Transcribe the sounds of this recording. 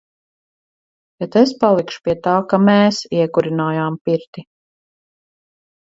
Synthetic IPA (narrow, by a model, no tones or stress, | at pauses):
bɛt̪espalˠikʃu̥piɛt̪aːkamɛeːsiɛkuɾinaːjaːmpiɾt̪i